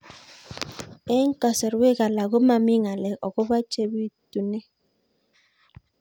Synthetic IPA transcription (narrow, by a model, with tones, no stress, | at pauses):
e˦ŋ̩˦kɔ˨sɛ˨ɾwe˦ɣa˨la˨ɣo˦ma˨mi˦ŋa˨lɛ˨ɔ˨ɣo˦βa˦t͡ʃe˦βi˦tu˨nɛ˦